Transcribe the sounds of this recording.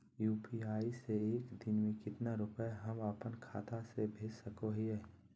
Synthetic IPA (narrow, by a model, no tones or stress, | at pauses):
juːpiaːiseeːkd̪ɪnmẽkɪt̪naɾʊpaɦɐmapənkʰa̰ːt̪ʰasebʱeːd͡ʒsəkoɦiɛː